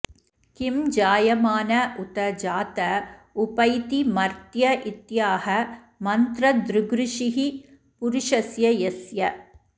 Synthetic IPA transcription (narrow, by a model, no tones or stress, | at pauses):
kimd͡ʒaːjɐmaːnɐut̪ɐd͡ʒaːt̪ɐupɐjt̪imɐɾt̪jɐʔit̪jaːɦɐ | mɐnt̪ɾɐd̪ɾuɡɾuʂiɦi | puɾuʂɐsjɐjɐsjɐ